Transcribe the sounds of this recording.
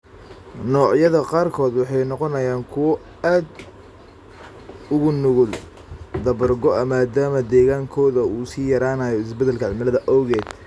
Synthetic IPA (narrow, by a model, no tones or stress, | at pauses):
nɔːʕjɐðɐqɑːrkʰɔːd̪wɑħɑjnɔqɔnɐjaːŋkʰʊwɔ | aːd̪ | ʊɣʊnʊɣʊl | d̪ɐβɐrɡɔʔɐmaːd̪aːmɐd̪ɛːɣaːŋkʰɔːðɐuːsiːjɐɾaːnɐjɔɪsbɛd̪ɛlkʰɐʕɪlmɪlɐðɐʔɔwɣɛːd̪̥